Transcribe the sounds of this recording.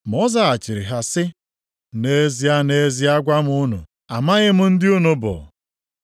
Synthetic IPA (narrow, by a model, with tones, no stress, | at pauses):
m˨ɔ˦za˦a˨t͡ʃɪ˨ɾɪ̰˨ɦa˨sɪ˦ | ne˦zi˨˦a˦ne˦zi˦a˦ɡʷa˦m̩˦ʊ˦nʊ̰˨ | a˨ma˦ɣɪ˦m̩˦n̩˦dɪ˦u˦nu˨bʊ̰˨